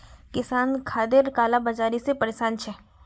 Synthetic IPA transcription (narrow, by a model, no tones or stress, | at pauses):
kɪsaːnkʰaːd̪eɾkaːlabɐd͡ʒaːɾisepɐɾesaːnt͡ʃʰɛ